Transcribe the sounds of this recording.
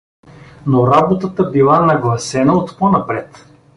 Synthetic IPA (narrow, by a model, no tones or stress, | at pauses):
noɾabot̪ət̪əbilˠanɐɡlˠɐsɛnəot̪ponɐpɾɛt̪